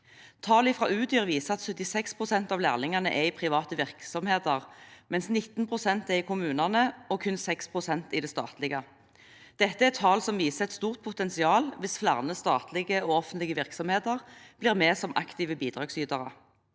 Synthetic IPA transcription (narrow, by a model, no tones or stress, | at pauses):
t̪ʰɑːlɪfʁɑʉːd̪yːʁʋiːsəɑt̪sœt̪ːɪsɛkspʰʁʊsɛnt̪ɑːʋlæːʁnɪŋɑnə̰ʔɛɪpʰʁɪʋɑːt̪əʋɪʁksɔmheːd̪əʁmɛnsnɪt̪ːn̩pʰʁʊsɛnt̪ɛɪkʰʊmʉːnɑnəɔkʰʉnsɛkspʰʁʊsɛnt̪ɪd̪ɛst̪ɑ̰ːt̪lɪɡə | d̪̥ɛt̪ːəɛɛt̪ʰɑːlsɔmʋiːsəɛt̪st̪uːʁt̪̚pʰʊt̪ɛnsɪɑːlʋɪsflæʁnəst̪ɑːt̪lɪɡəoːɔfənt̪lɪɡəʋɪʁksɔmheːd̪əʁb̥lɪːʁmeːsɔmʔɑkt̪iːʋəbiːd̪ʁɑːɡsyːd̪ɑʁə